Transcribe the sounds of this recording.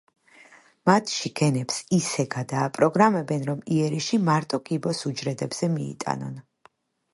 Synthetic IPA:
mat̪ʰʃiɡ̥ɛnɛpsisɛɡad̪aːpʼɾɔɡɾamɛbɛnɾɔmiɛɾiʃimaɾt̪ʼɔkʼibɔsud͡ʒɾɛd̪ɛbz̥ɛmiḭt̪ʼa̰nɔ̰n

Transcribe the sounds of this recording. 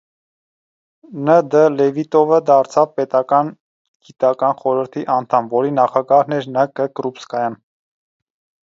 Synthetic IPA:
nəd̪əlɛvit̪ɔvəd̪ɑɾt͡sʰɑvpɛt̪ɑkɑn | ɡ̥it̪ɑkɑnχɔɾəɾt̪ʰiʔɑnt̪ʰɑmvɔɾinɑχɑɡɑhnɛɾnəkəkɾupskɑjɑn

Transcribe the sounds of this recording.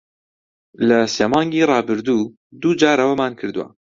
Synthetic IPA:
lɐseːmɑːŋɡiːrˤɑːbɨɾd̪u | d̪uːd͡ʒaːɾɐwɐmaːnkʰɨɾd̪uwa̰

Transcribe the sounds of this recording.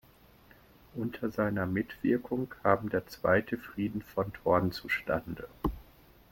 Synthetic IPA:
ʔʊntʰɐzaɪnɐmɪtv̥ɪɐkʰʊŋkʰaːmdeːɐt͡sv̥a̰ɪtʰəfʁ̥iːdn̩fɔntʰɔɐn̩t͡suʃtandə

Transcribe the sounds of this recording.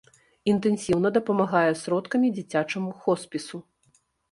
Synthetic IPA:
int̪ɛnsʲiwnɐd̪ɐpɐmaɣajɛsɾɔt̪kɐmʲid͡zʲit͡sʲat͡ʂɐmuxɔspʲisu

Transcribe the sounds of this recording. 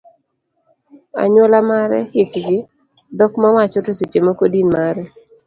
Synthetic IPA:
a̰ɲwolamaɾɛ̰hɪkɡɪ | d̪ɔkmawat͡ʃɔtosit͡ʃemokodinmaɾɛ

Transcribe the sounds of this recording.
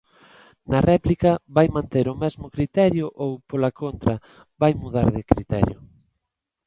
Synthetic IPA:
nɐrɛplikɐβajmãnt̪eɾʊmɛzmʊkɾit̪ɛɾjʊʔowpolɐkont̪ɾɐ | βajmuðaɾðɪkɾit̪ɛ̰ɾjʊ

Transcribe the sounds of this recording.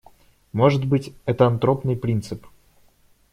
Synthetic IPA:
mo̞ʐɨt̪bɨtʲɛt̪əɐnt̪ɾo̞pnɨjpɾʲint̪sɨp

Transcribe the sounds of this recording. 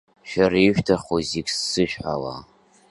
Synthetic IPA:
ʃᶣariʒᶣtʰaχoziksːɨʃᶣħala̰

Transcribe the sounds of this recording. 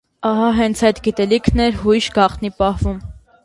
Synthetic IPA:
ɑɦɑɦɛnt͡sʰɑjt̪ɡit̪ɛlikʰnɛɾɦujʃɡɑχt̪nipɑhvum

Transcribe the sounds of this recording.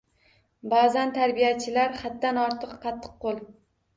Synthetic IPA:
bazant̪ʰaɾbijat͡ʃʰɪlaɾhat̪ːanɒɾt̪ʰɨqʰːɑt̪ʰːɨ̥qːolˠ

